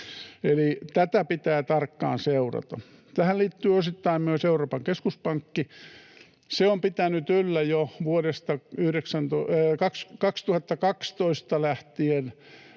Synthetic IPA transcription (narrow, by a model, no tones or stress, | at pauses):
elit̪æt̪æpit̪æːt̪ɑrkːɑ̰ːnseurɑ̰t̪ɑ | t̪æhælliːt̪ːyːosit̪ːɑimmyøseuroːpɑŋkeskuspɑŋkːi | seompit̪ænyt̪ylːæjoʋuoɾest̪ɑyhɾeksænt̪okɑkskɑkst̪uhɑt̪ːɑkɑkst̪oist̪ɑlæht̪ien